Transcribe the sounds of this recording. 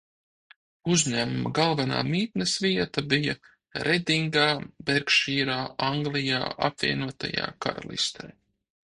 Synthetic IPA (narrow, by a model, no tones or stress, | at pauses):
uzɲæmumaɡalˠvana̰ːmiːt̪nesviɛt̪abija | ɾʔed̪ʲiŋɡaːbeɾkʃiːɾaːaŋɡlˠija̰ːʔapvʲiɛnuɔt̪a̰ja̰ːka̰ɾa̰lˠḭst̪ʰɛj